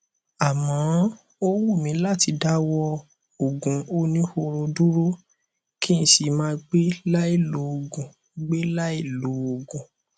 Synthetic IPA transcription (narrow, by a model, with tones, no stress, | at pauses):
a˨mɔ̃˨˦ | o˦wu˦˨mĩ˨˧˦la˦˨ti˧˦da˦wɔ˦˧ | o˨ɡũ˨˦o˦nĩ˦ho˧ɾo˧du˦ɾo˦ | ki˦ñ̩˧˦ʃi˧mãː˦˧ɡ͡be˦la˦i˦˨lu˨˦o˨ɡũ˨ | ɡ͡be˦la˦i˦˨lu˨˦o˨ɡũ˨